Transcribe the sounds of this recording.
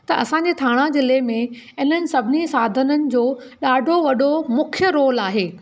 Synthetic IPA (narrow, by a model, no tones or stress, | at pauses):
t̪ɐʔɐsãːɲd͡ʑeːt̪ʰaːɽ̃ãd͡ʑɪlemẽ | ɪn̤ənɪ̆sɐbʱɪnisaːd̪ʱənənɪ̆d͡ʑoː | ɗaːɖʱoʋɐɗʱomʊkʰjəɾoːlaːɦeː